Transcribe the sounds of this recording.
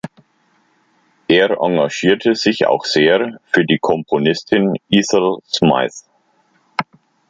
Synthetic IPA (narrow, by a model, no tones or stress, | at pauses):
ʔeːʁʔa̰ŋɡaʃiːɐtʰəz̥ɪça̰ʊxz̥eːfyːɐdiːkʰɔmpʰonɪstʰɪnʔiːzəlsma̰ɪθ